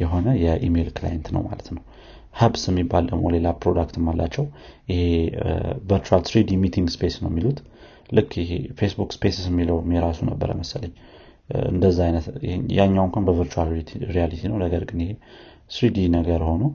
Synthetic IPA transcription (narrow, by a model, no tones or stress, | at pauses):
jɛɦo̞nəjɛʔime̞lkla̰jɛnt̪nə̰wma̰lət̪nəw | həbsɛmːibːaldə̰mole̞lapɾod̪akt̪ʰɨmːalːat͡ʃːɛwjɪhe̞ | vəɾt͡ʃualsɾid̪imit̪ʰiŋɡspesnə̰wɛmːilut̪ | lɨkːɪhḛfesbukspʰesismːiləwmːeɾasunəbːə̰ɾə̰jməsələɲː | ɨ̰nd̪əzːaajnət̪jaɲːawŋkʷanbəvəɾt͡ʃualt̪ʰɾialit̪ʰinəwnəɡəɾɡɨnɪhe̞ | sɾid̪inəɡəɾho̞nə